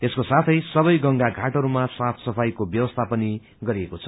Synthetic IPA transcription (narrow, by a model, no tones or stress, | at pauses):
t̪eskosat̪ʰʌjsʌbʌjɡʌŋɡaɡʱaʈʌɾumasat̪ʰsʌpʰajkobjʌbʌst̪ʰapʌni | ɡʌɾiekot͡sʰʌ̥